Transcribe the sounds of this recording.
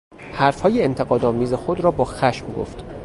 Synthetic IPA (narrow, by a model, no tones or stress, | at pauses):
hæɾfhɒːjeent̪ʰe̞ɣɒːd̪ɒːmiːze̞xod̪ɾɒːbɒːxæʃmɡo̰ft̪